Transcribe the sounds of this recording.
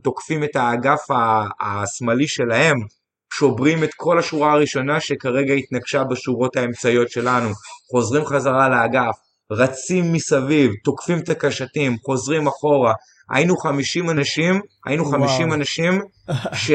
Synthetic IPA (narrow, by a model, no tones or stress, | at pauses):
to̞kfime̞taːɡafaːsmaliʃe̞lahe̞m | ʃo̞bʁime̞tkʰo̞laʃuʁaːʁiʃo̞naʃe̞kaʁe̞ɡaitnaɡʃabeʃuʁo̞thae̞mt͡sajo̞tʃe̞lanuχo̞zʁimχazaʁaleaɡaf | ʁat͡simːisavivto̞kfimet̪akaʃatimχo̞zʁimaχo̞ʁa | ʔa̰jinuχamiʃimanaʃimʔa̰jinuχamiʃimanaʃim | ʃe